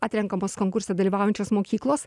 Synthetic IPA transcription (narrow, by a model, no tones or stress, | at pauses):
ɑːt̪ʲɾʲɛŋkɐmoːskoːŋkʊɾʲsʲɛd̪ɐlʲiːʋɑˑʊjɛnʲt͡ʃʲoːsmoːkʲiːklˠoːs